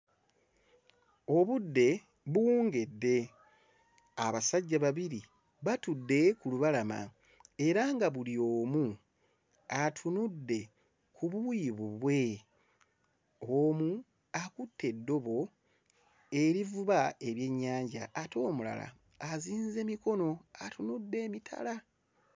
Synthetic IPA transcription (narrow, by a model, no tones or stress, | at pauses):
o̞βudːe̞ | βuuːŋɡe̞dːe̞ | aβasaɟːaβaβiɾi | βatudːe̞kuluβalama̰ | e̞ɾaŋɡaβulio̞ːmu | atʰunudːe̞ | kʰuβuiiβuβwe̞ | omu | akutʰːe̞dːo̞βo̞ | e̞ɾivuβae̞βje̞ɲːaːɲɟaʔːto̞ːmula̰la̰ː | ziːnze̞miko̞no̞atunudːe̞ːmitʰa̰la